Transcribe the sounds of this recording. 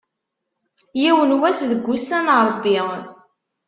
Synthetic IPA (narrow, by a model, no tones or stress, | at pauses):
jiwənwæsðəɡʷːusænɾˤəbːi